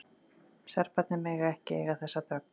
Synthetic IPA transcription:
sɛɾ̥pat̪nɪmɛɣaɛhcɪḛjɣaðθɛsːat̪œk̚n

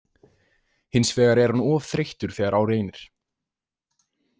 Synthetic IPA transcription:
hɪnsvɛːɣaɾɛɾ̥hanɔːvθɾejht̪ʏɾ̥θɛːaɾawɾeːjnɪɾ̥

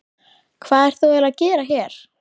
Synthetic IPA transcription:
kʰvaːðɛɾ̥θuwɛlaðcɛːɾaçɛːɾ̥

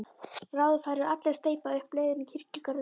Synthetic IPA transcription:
rawðfaːjɾɪðat̪lɛɾst̪eːjpaʏhpleːjðɪnicʰir̥cikaɾ

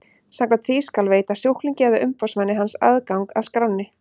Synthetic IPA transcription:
samkʰɛnt̪θiskalveːjt̪asjuhkliŋcɛːvɪʔʏmpawsmanːɪɦansa̰ðkawŋkaðskɾawnːɪ

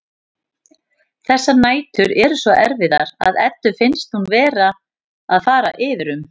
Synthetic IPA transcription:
θɛsːanaːjt̪ʏɾɛɾʏsvɔʔɛɾvɪða̰ɾa̰ðɛt̪ːʏfɪnst̪hunvɛːɾa | aðfaːɾa̰ʔɪːðɪɾʏm

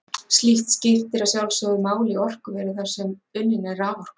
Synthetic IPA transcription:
st̪liht̪scɪft̪ɪɾasjawlsɔɣðɪmaːwliɔr̥kʏvɛːɾɪθaɾ̥sɛmʏljɪnɛrːaːɣɔr̥k

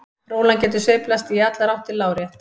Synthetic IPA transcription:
ɾoːwlancɛːt̪ʏseɥjplast̪iat̪laɾawht̪ɪlːaːwɾjɛht̪

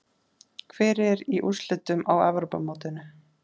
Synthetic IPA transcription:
kʰvɛːɾɛɾiʔuslʏt̪ʏmawɛvɾowpa̰moːwt̪ɪnʏ

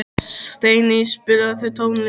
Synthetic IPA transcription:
st̪eːjnispɪɾaθœjt̪ʰoːwnl

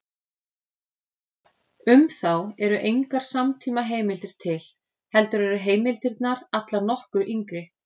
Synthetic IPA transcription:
ʏmθawɛɾʏʔejŋkaɾ̥samt̪ʰiːmaɦeːjmɪlt̪ɪɾ̥t̪ʰɪl | hɛlt̪ʏɾɛɾʏɦeːjmɪlt̪ɪɾt̪naɾat̪laɾnɔhkʏɾʔiŋkɾɪ

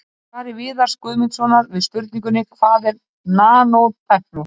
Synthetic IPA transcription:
kaːɾɪvɪːðaɾ̥skʏːðmɪnt̪svɔːnaɾvɪðspʏɾt̪nĩŋkʏnɪkfaːðɛɾ | naːnowlt̪ʰɛhpnɔ

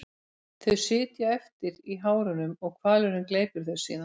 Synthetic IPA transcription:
θœɥsɪːt̪jaɛft̪ɪɾiɦaːwɾʏnʏmɔɣkʰvaːlʏɾʏmkleːjpʏɾ̥θœɥsiːðan

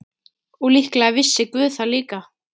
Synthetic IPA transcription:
ulihklaɣavɪsːɪkvʏːθaliːka

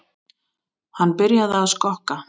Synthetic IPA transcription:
hanːpɪɾjaðaːðskɔhka

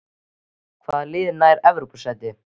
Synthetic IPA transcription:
kʰvaːðlɪːðnaːjɾɛvɾupusɛt̪ːɪ

